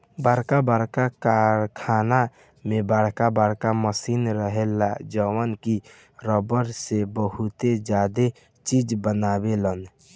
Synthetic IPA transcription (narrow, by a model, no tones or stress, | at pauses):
baɽkabaɾkakaɾkʰaːna | mẽbaɽkabaɽkaməsinɾəɦelad͡ʒəwənki | ɾəbəɾsebəɦut̪ed͡ʒaːd̪e | t͡ʃid͡ʒbənaːbelən